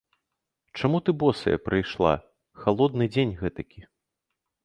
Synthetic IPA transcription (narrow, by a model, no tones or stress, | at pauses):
t͡ʂamut̪ɨbɔsɐ̰jɐ̰pɾɨjʂlˠa̰ | xalˠɔd̪nɨd͡zʲenʲɣɛt̪ɐkʲi